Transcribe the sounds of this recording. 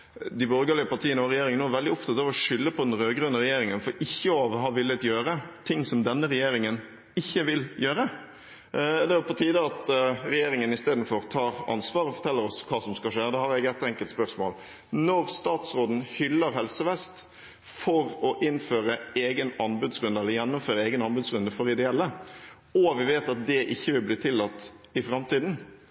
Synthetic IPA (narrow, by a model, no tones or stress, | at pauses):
d̪ɪbɔɾɡəlɪəpɑt̪ʰiːənɔɾɛjeːɾɪŋənoːɾʋɛld̪ɪɔft̪ʰɑt̪ɑʋɔʂʏlːəpʰɔd̪ɛnɾøːɡɾʉnəɾɛjeːɾɪŋənfɔɾɪçːəɔɑʋɦɑʋɪlːət̪jøːɾət̪ʰɪŋːsɔmd̪ɛnːəɾɛjeːɾɪŋən | ɪçːəʋɪljøːɾə | d̪ɛʋɛpʰɔt̪ʰiːd̪əɑt̪ɾɛjeːɾɪŋənɪst̪eːd̪n̩fɔɾt̪ʰɑːɾɑ̰nsʋɑːɾɔfɔt̪ʰɛlːəɾɔskʰɑːsɔmskɑʂeːd̪ɛhɑɾɛɡɛt̪ɛŋkəlt̪spœɾsmo̰ːl | nɔɾst̪ɑːt̪sɾoːd̪n̩hʏlːəɾɦɛlsəʋɛst̪ | fɔɾɔʔɪnːføːɾəeːɡənɑnbʉd̪sɾʉnd̪əɛləɾjɛnːɔmføːɾəɛːɡənɑnbʉd̪sɾʉnd̪əfɔɾɪd̪ɛɛlːə | ɔʋɪʋeːt̪ɑt̪̚d̪ɛʔɪçːəʋɪlbliːt̪ʰɪlːɑt̪ː | ɪfɾɑmt̪ʰiːd̪n̩